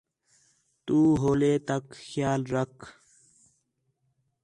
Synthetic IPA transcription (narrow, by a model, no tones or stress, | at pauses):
t̪uːɦoːleːt̪ɐkxjaːlɾɐk